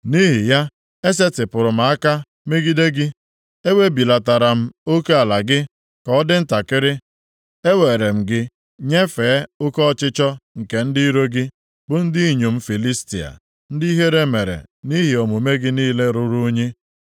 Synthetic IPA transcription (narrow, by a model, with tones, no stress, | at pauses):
ni˦ɦɪ˨ja˦ | e˦s̬e˦tɪ˨pʊ˨ɾʊ˨ma˨a˦ka˦ | me˦ɡi˦de˦ɡɪ˦ | e˦we˦bi˨la˨ta˨ɾa˨m̩˦o˦ke˦a˨la˨ɡɪ˦ | kɔ˨ɔ˦dɪ˦n̩˦ta˨kɪ˦ɾɪ˦ | e˦we˨ɾe˨m̩˨ɡɪ˦ | ɲe˦feː˨˦ʊ˦kɔ˦ɔ˦t͡ʃɪ˦t͡ʃɔ˦ŋ̩˨ke˨n̩˦dɪ˦ɾo˦ɡɪ˦ | bʊ˦n̩˦dɪ˦i˦˨ɲo˨m̩˦fi˨li˦sti˨a̰˨ | n̩˦di˦i˦ɦe˦ɾe˦me˨ɾḛ˨ni˦ɦi˨o˨mu˨me˦ɡɪ˦niː˦le˦ɾʊ˦ɾu˦ɲe˦